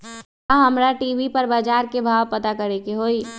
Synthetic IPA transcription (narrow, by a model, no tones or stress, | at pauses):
aɦɐmɾaʈiːʋipɐɾbaːd͡ʒaːɾkebʱaːʋpɐt̪akɐɾekeɦoːiː